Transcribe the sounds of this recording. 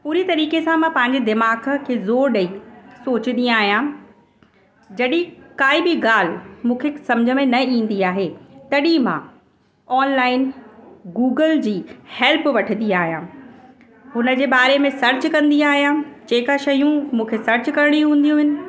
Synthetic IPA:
puːɾit̪ɐɾiːkesãmãpɐ̃ɦɪ̃ɲ̆d͡ʑed̪ɪmaːk̆ʰkʰeːzoːɾɗɐisoːt͡ɕɪnd̪ijãaːɦijã | d͡ʑɐɗĩkaːibɪɡaːl̤ɪmũːkʰesɐ̃md͡ʑʱə̆mẽnɐĩːn̆d̪iaːɦeːt̪ɐɗimã̰ | ɔːnlaːɪnɡuːɡəld͡ʑiːhɛlpʋɐʈʰənd̪ĩaːɦjãː | ɦʊnə̆d͡ʑeːbaːɾemẽsɐɾt͡ɕkɐ̃nd̪ij̃aːɦijãt͡ɕeːkaʃɐjũmũːkʰesɐɾt͡ɕkɐɾɪɽ̃iũɦũːn̆d̪ijũɦɪnɪ̆

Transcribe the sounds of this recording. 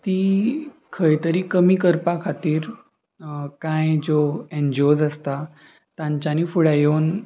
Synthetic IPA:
t̪iː | kʰəjt̪əɾiːkəmiːkəɾpakʰat̪iːɾ | kãjd͡zoend͡ʑod͡zəst̪a | t̪ãɲt͡ɕaniːfuɽajown

